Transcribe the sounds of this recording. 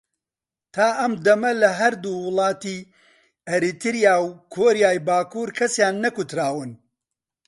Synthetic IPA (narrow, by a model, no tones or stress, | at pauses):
t̪ʰaːʔɐmd̪ɐmɐlɐɦɐɾd̪uwɨlˠɑːt̪i | ɛɾit̪ʰɨɾijaːwkʰoːɾjaːjbaːkuːɾkʰɐsjaːnːɐkut̪ɾaːwɨn